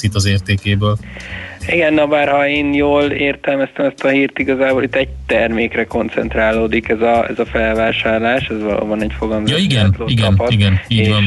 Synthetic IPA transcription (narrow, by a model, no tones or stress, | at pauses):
it̪ːɒzeːrt̪eːkeːbøːl | iɡɛnːɒbaːrhɒeːnjoːleːrt̪ɛlmɛst̪ɛmɛst̪ɒhiːrt̪iɡɒzaːbolit̪ːɛɟ̚t̪ɛrmeːkrɛko̞nt̪sɛ̰nt̪raːloːd̪ikɛzɒɛ̰zɒfɛlvaːʃaːrlaːʃɛzvɒlo̰ːbɒnɛɟfo̞ɡɒmzjɒiɡɛnt̪loːiɡɛnpɒtiɡɛniːɟvɒn